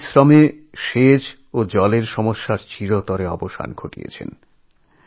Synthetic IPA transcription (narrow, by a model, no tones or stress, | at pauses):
sɾɔmeʃed͡ʑ | od͡ʑɔleɾʃɔmoʃːaɾt͡ɕiɾot̪ɔɾeɔ̰boʃa̰nɡʱoʈḭḛt͡ɕʰḛn